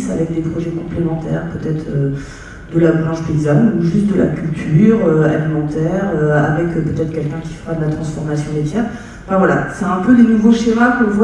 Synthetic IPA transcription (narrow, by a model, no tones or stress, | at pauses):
savɛk̚d̪epχɔʒɛkɔ̃plemɑ̃t̪ɛ̰ʁpøt̪ɛt̪χø | d̪əlabʁɑ̃ʃd̪ezanuʒysd̪əla̰kʲylt̪ʰyʁøa̰limɑ̃t̪ɛʁøa̰vɛkøpøt̪ɛt̪χkʲɛlkʲɛ̃kʲi̥fəʁad̪əlat̪χɑ̃sfɔʁmasjɔ̃med̪jɛʁ | ɑ̃fɛ̃vwala̰sɛɛ̃pød̪enuvoʃeʁakɔ̃vw